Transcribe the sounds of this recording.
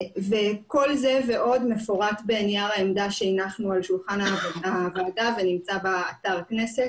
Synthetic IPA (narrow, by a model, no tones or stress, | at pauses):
veko̞lze̞ve̞ʔo̞d̪mefoʁatbeːnjaʁaemd̪aʃeinaχnualʃulχanavaːvaːdavenimt͡sabaːt̪aʁkneset